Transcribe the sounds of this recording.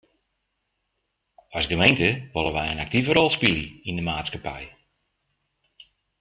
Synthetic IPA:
ɑsɡəmejntəʋɔlˠəʋɛjənak̚tivəɾɔlˠspiliindəmaːtskapɛ̰j

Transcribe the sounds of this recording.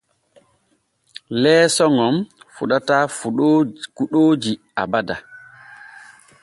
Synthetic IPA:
lɛːsɔŋɔmfuɗataː | kuɗoːd͡ʒi | a̰bada

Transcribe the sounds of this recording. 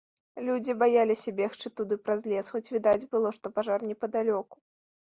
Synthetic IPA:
lʲud͡zʲibajalʲisʲabʲɛxt͡ʂɨt̪ud̪ɨpɾazʲlʲɛsxɔt͡sʲvʲid̪ad͡zʲbɨlˠɔʂt̪ɔpaʐarnʲɛpɐd̪alʲɔku̥

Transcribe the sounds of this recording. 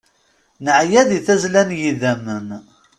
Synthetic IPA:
nəʕjæðiθæzlænjiðæmən

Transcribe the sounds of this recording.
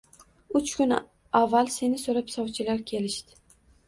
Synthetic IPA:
ʊt͡ʃkʰʲʊn | avːalse̞nɪsoɾapsɒwt͡ʃʰɪlaɾkʲʰe̞lɪʃd̪ɪ̥

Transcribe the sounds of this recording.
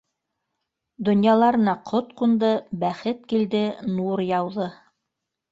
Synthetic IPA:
d̪ŏnjɑlˠɑɾɤ̆nɑqʰot̪qund̪ɤbæχɘt̪̚kild̪ɘnuɾjɑwðɤ

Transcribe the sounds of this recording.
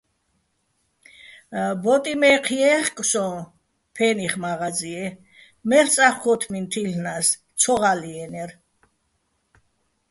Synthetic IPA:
bɔt̪ʼimɛqʰiɛχkʼsɔ̃ | pʰɛniχmaʁad͡ziɛ | mɛɾt͡sʼaχkʰɔt̪ʰmint̪ʰilnas | t͡sʰɔʁaliɛnɛɾ

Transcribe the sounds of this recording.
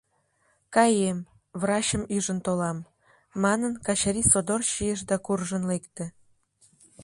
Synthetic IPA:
kɑjem | βrɑɕəmyʒə̆nt̪olɑmː | ɑnənkɑɕaɾisod̪orɕijeʃ̬d̪ɑkurʒənlekt̪ĕ

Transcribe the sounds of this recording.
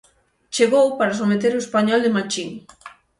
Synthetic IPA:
t͡ʃeɣowpaɾas̬omet̪eɾoespaɲɔld̪emat͡ʃiŋ

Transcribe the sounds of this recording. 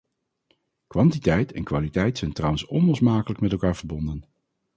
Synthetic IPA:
kʋɑntitɛjtʰɛnkʋaːlitɛjtsɛjntrɑwənsɔnlɔsmaːkələkmɛtɛlˠkaːɹv̥əɹbɔndən

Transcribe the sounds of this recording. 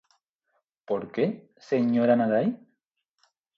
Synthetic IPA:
poɾke | seɲoɾanaðaj

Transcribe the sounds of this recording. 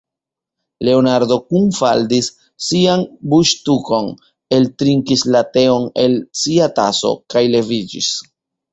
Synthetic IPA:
le̞onaɾdo̞kumfa̰ldisː | ianbuʃtuko̞n | e̞ltɾiŋkislate̞o̞ne̞lsiata̰so̞̰kajle̞vid͡ʒḭs

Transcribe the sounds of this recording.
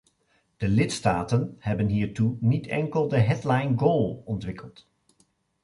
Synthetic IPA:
d̥əlɪtstaːtənhɛbənɦiːɹtunitʰɛ̰ŋkəlˠdəɦɛdlajnɡoːlˠɔntʋɪkʰəlˠt

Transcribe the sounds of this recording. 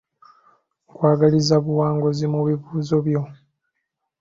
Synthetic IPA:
ŋkwaːɡalizaβuwaːŋɡo̞zimuβivuːzo̞βjo̞

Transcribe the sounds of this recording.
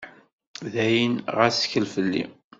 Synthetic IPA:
ðæjənʁæsçəlfəlːḭ

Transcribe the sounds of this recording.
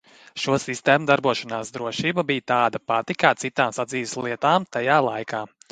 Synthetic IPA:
ʃuɔsist̪ɛːmud̪aɾbuɔʃanaːsd̪ɾuɔʃiːbabijt̪aːd̪apat̪ikaːt̪sit̪aːmsad̪ziːʋslˠiɛt̪aːmt̪ajaːlˠajkaː

